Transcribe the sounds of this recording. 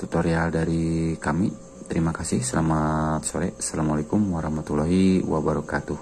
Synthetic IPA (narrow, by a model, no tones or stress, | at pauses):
t̪ut̪ɔɾialdaɾikami | t̪əɾimakasihsalamat̪̚sɔɾɛ̰ʔsalamalakumwaɾahmat̪ulaɦiwabaɾɔkat̪uh